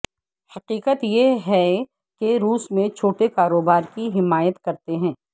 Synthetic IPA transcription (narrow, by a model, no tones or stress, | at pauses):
hɐqiːqət̪jeɦɛ | keɾuːsmẽt͡ʃʰoːʈekaːɾoːbaːɾkiɦɪmaːjət̪kɐɾt̪eɦɛ̃ː